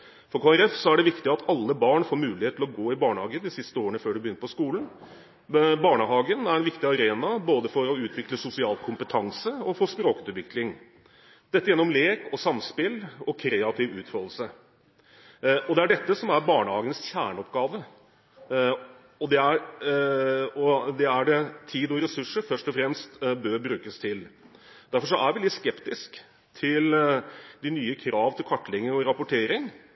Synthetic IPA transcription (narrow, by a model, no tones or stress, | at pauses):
fɔɾkʰoːæɾɛfsɔæɖɛʋɪkt̪ɪɑt̪ʰɑlːəbɑːɳfoːɾmʉːlɪheːt̪ʰlɔɡoːɪbɑːɳəhɑːɡəd̪ɪsɪst̪əoːɾəɳəføːɖʉbəjʏnːəɾpʰɔskuːln̩ | bɑːɳəɦɑːɡənæɾɛnʋɪkt̪ɪɑɾeːnɑboːd̪əfɔɾɔʉːt̪ʰʋɪkləsʊsɪɑːlkʰʊmpət̪ʰɑŋsəɔfɔspɾoːkʉt̪ʋɪklɪŋ | d̪̥ɛt̪ːəjɛnːɔmleːkɔsɑmspɪlɔkʰɾeːɑt̪ʰɪʋʉːt̪fɔd̪l̩sə | ɔd̪ɛæɖɛt̪ːəsɔmæɾbɑːɳəhɑːɡənəsçæːɳəɔpɡɑːʋə | ɔd̪ɛæɾ | ɔd̪ɛæɖɛt̪ʰiːd̪ɔɾɛsʉʂːəɾfœʂʈɔfɾɛmst̪bøːɾbɾʉːkəst̪ʰɪl | d̪æɾfɔʂ̬ɔʔæɾʋɪlɪt̪ːskɛpt̪ɪsk | t̪ʰɪld̪ɪnyːəkʰɾɑːʋt̪ʰɪlkʰɑʈːlɪŋːəɔɾɑpʊʈʰeːɾɪŋ